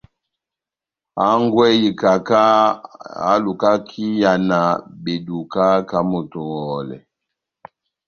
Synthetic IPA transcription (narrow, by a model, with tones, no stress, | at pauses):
a˦ŋɡwɛ˦ji˨ka˨ka˦ | a̰˦lu˨ka˦kʰi˦ja˨na˨be˨du˨ka˦ka˦mo˨tɔ˨wɔ˨lɛ̰˨